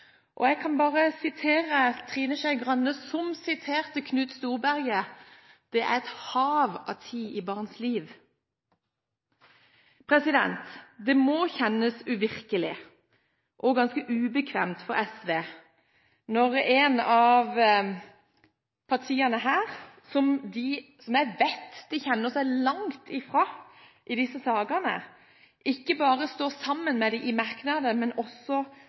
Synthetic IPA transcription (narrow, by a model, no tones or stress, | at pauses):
ʔɔ̰ɛɡkʰɑnbɑːʁəsɪt̪ʰeːʁət̪ʰʁiːnəʃæɪɡʁɑnːəsɔmsɪt̪ʰeːʁt̪əkʰnʉːt̪st̪uːʁbæʁɡə | d̪̥ɛʔæ̰ʁɛt̪hɑːʋɑ̰t̪ʰiːʔɪbɑːʁnsliːʋ | pʰʁɛsɪd̪ɛ̰nt̪d̪ɛmɔçɛnəsʉʋɪʁkəlɪ | ʔɔɡɑnskəʔʉːbəkʰʋḛːmt̪fɔɾɛsʋeː | nɔʁeːnɑʋ | pʰɑʁt̪ʰiːɑnəɦæːʁ | sɔmd̪ɪsɔmjæɪʋæt̪ːd̪̥ɪçɛnːəsæɪlɑŋt̪ʰɪfʁɑː | ʔɪd̪ɪsːəsɑːɡɑnə̰ | ʔɪkːəbɑːʁəst̪oːsɑmːənmɛd̪ɪʔɪmɑɾknɑd̪əmɛnɔsːɔ